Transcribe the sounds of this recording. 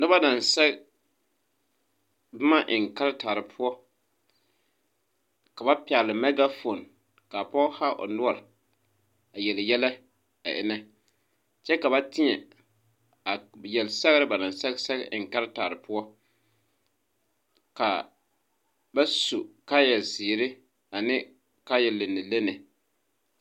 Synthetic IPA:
nɪ˦ba˦na˨n˨sɛ˦ɡ | bʊ˦ma˦ʔɪ˨ŋ˨ka˦ɾɪ˦taː˨ɾɪ˨pʰʊ˦ɔ˦ | ka˨ba˦pɪ˨a˨lɪ˨mɛ˦ɡa˦fo˨n | ka˨pɔ˦ha˦ʔo̰˨nʊ˦ɔ˨l | a˨jɛ˨ljɛ˦lɛ˦ | a̰˨ʔɪ̰˨˦nɛ˦ | t͡ʃɛ˦ka˨ba˦tɪ˦ɲɛ˨ | a˨jɛ˨lsɛ˦ɣɾɪ˦ba˨nɪ˨nsɛ˦sɛ˦ɡɪ˨ŋ˨ka˦ɾɪ˦taː˨ɾɪ˨pʊ˦ɔ˦ | ka˨ | ba˦su˨ka˦jɛ˨lsiː˨ɾɪ˦ | a˨nɪ˦ | ka˦jɛ˨le˨nːɪ˨le˦nɛ˨

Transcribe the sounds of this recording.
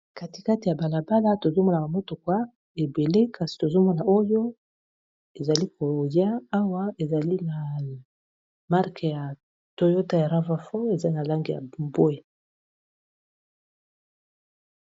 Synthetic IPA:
ka˨ti˨ka˦ti˨ja˨ba˨la˨ba˦la˦to˨zo˦mɔ˦na˨ka˨mo˦to˨kwa˦ | e˨be˨le˦ka˨si̥˨to˨zo˦mɔ˦na˨ʔo˦jo˦ | e˨za˨li˦kʰo˨ja˦a˦wa˦e˨za˨li˦na˨ | ma˦ʁke˨ja˨ | to˦jo˦ta˦ja˨ʁa˦va˦fo˦e˨za˦na˨la˦ŋɡi˨ja̰˨mbo˦e˦

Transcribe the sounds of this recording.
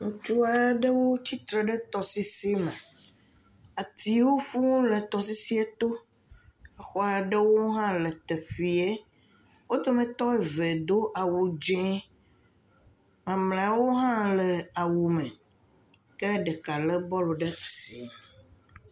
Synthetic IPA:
ŋũ˨t͡ʃu˦a˨˦ɖə˦wo˦t͡ɕi˦t̪ɾɛ˨ɖɛ˦t̪ɔ˨si˦si˦mɛ̃˨ | a˨t̪i˨wo˦fu˦ŋũ˦lɛ˨t̪ɔ˨s̬i˦si˦ɛ˦t̪o˦ | ɛ˦xɔ˦a˨ɖə˦wo˦ɦã˦lə˨t̪ɛ˨ɸi˨e˦ | wo˦d̪o˦mɛ̃˨t̪ɔ˦e˦˨vɛ˨d̪o˦ʔa˨wu˨d͡ʒɛ̃˦ | mã˨mlẽ˨a˨wo˦ɦã˦lɛ˨a˨wu˨mɛ̃˨ | kɛ˦ɖɛ˨ka˨lɛ˦bɔ˦lo˨ɖə˦a˨sḭ˨

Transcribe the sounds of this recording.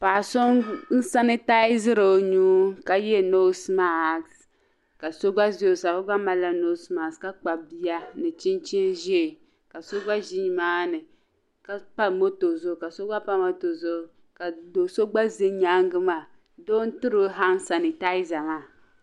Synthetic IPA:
paː˨so˦ŋn̩˦sa˦ni˦ta˦i˦zɨ˦ɾo˨o˨ɲuː˦ka˦jɛ˦no˦sma˦˨ks | ka˨so˦ɡ͡ba˦zsa˨ko˦ɡ͡ba˦ma˨la˦no˦sma˨ska˦k͡pa˨bi˦ja˦nɨ˨t͡ʃi˦nt͡ʃi˦nʒe˨ | ka˨so˦ɡ͡ba˦ʒi˦ɲi˨maː˦nɨ˨ | ka˦pa˦mo˦to˨zo˦˨ka˨so˦ɡ͡ba˦pa˦mo˦to˨zo˦˨˦ | ka˨do˨so˦ɡ͡ba˦zɨ˦ɲa˦ŋɡɨ˦ma˨ | doː˦n̩˦tɨ˦ɾo˦ɦa˦n˦sa˨ni˨ta˦i˦za˨maː˦˨

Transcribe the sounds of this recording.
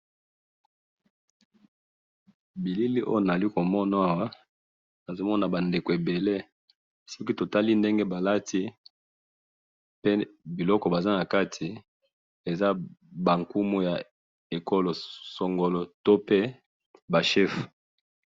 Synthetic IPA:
bi˨li˦li˦ʔo̰˦jo˦na˨li˦ko˨mɔ˦na˨˦a˦wa˦ | na˨zo˦mɔ˦na˨ba˨nde˨ko˨e˨be˨le˦ | sɔ˦ki˦to˨ta˦li˦nde˦ŋɡe˦ba˨la˦ti˦ | pe˦bi˨lɔ˦kɔ˨ba˨za˦na˨ka˦tʰi˨ | e˨za˦ba˨ŋku˦mu˦ja˨ | e˨ko˦lo˨sɔ˨ŋɡo˦lɔ˦to˦pe˦ | ba˨ʃɛ˦f

